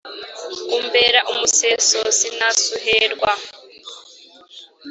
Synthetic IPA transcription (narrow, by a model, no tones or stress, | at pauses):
umbeɾaʔumusesosinasuɦeɾɡwa